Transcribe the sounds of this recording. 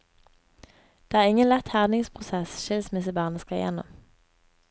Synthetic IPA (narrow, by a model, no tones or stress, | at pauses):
d̪̥eːæːʁɪŋənlɛt̪hæʁnɪŋspʰʁʊsɛsʃɪlsmɪsəbɑːʁnəskɑjɛ̰nɔ̰m